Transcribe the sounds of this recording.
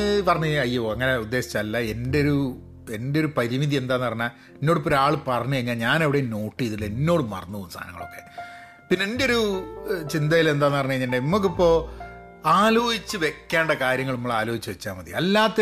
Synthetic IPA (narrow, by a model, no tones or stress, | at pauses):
pɐrɐɲːuɐjːoːɐŋːɐne̞ud̪ːe̞ːɕi̥t͡ɕːaːlːɐe̞ndeo̞ɾu | e̞ndeo̞ɾupɐɾimiðie̞nd̪aːnːɨpɐrɐɲːa | enːo̞ːɽɨpːoɾaːɭpɐrɐɲːueŋːɐneɲaːnɐʋiɽeno̞ːʈːiiðile̞nːo̞ːɽɨmɐ̰rɐnːuɐt̪sʰa̰ːnɐ̰ŋːɐɭo̞̰kːe̞̰ | pinːeendeo̞ɾut͡ɕind̪ɐjile̞nd̪aːnːɨpɐrɐɲːuɲːindenimːok̬ːipːo̞ː | aːloːhit͡ɕːɨʋe̞kʲːaːɳɖekaːɾjɐŋːɐɭnimːɐɭaːlo̞ːhit͡ɕːɨʋet͡ɕːaːmɐðḭɐlːaːt̪ːe